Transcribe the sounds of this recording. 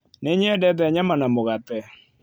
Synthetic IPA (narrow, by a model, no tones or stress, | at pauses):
neɲɛdɛðɛɲamanamoɣatɛ